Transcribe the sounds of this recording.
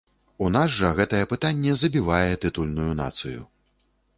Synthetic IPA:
unazʐɐɣɛt̪ɐjɛpɨt̪anʲːɛzɐbʲivajɛt̪ɨt̪ulʲnujuna̰t̪sɨjṵ

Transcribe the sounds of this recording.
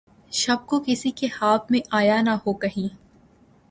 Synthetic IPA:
ʃɐb̚kokɪsikehaːbmẽʔaːjanɐhoːkɐɦĩː

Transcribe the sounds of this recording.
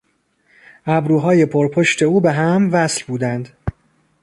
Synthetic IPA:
ʔæbɾuːɦɒːje̞pʰoɾpʰo̞ʃt̪ʰe̞uːbeɦæmvæslbuːd̪ænd̪̥

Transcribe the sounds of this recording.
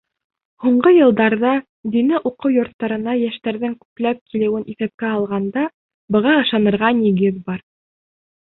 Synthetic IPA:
huɴɢɤjɤ̆lˠd̪ɑɾðɑ | d̪inɘʔuqɤwjŏɾt̪ːɑɾɤ̆nɑjæʃt̪æɾðɘŋkʉ̥plæp̚kʰilɘ̆wɘnʔiθæp̚kæɑlˠʁɑnd̪ɑ | bɤ̆ʁɑɤ̆ʃɑnɤ̆ɾʁɑnĭɡɘðbɑɾ

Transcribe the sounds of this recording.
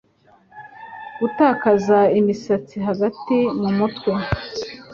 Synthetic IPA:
ɡ̥utaːkazaimisat͡siɦaɡatimumutwe

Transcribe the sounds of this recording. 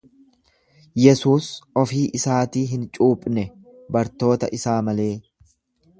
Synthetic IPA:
jɛsuːsɔfiːʔɪsaːt̪iːɦɪnt͡ʃʼuːpʼnɛ | bɐɾt̪o̞ːt̪ɐ̰ʔɪsaːmɐle̞ː

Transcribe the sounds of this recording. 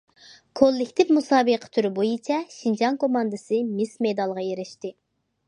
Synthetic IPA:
kʰolˠːɪkʲt̪ʰɪvmusɑːbɨqʰə̥t̪ʰyɾɪbojit͡ʃʰɛʃind͡ʒɑŋkʰomɑnd̪ɨsɨmɪsmed̪ɑlˠʁɑjeɾɪʃt̪ɪ

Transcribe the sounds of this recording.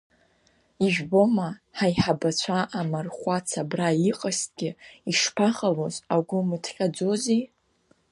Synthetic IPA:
iʒᶣbo̞maħajħabat͡ɕʷʰaʔamarχʷat͡sʰabraiqʼast̚ʼɡʲɪiʂpʰaχalozaɡʷʊmɨtʰχʲʼad͡zo̞zi

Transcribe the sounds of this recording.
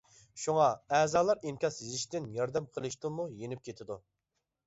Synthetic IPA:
ʃuŋɑɛːzɑːlˠɑɾemkʲɑsjizɪʃt̪ɪnjɑɾd̪ɛmqʰəlˠɨʃt̪umujenɪp̚kʲʰet̪ʰɪd̪u

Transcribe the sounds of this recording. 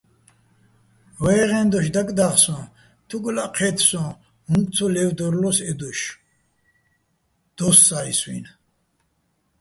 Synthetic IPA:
vɛːʁɛ̃nd̪ɔʃd̪akʼd̪aχsɔ̃ | t̪ʰuɡlaqʰɛt̪ʰsɔ̃ | huŋk̪ʼt͡sʰɔlɛvd̪ɔɾlɔsɛd̪ɔʃ | d̪̥ɔsːaiswḭn

